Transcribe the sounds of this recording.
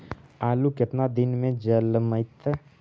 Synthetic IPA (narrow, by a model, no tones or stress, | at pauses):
aːlukɪt̪nad̪ɪnmẽd͡ʒəlməɪt̪ə